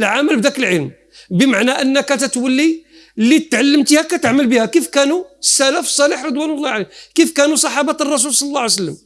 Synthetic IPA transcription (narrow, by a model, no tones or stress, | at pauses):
lʕaməlbd̪ækəlʕəlm | bəmaʕnæʔənːəkæt̪æt̪wəlːi | lit̪ʕalːəmt̪ihækæt̪əʕməlbihækifkænuəsːælæfsˤːɑliħɾˤɨd̪ˤwænəlˤːɑʕalekifkænusˤɑħɑbɑt̪rˤːɑs̬ulsˤɑlːɑlːɑʕsəlːəm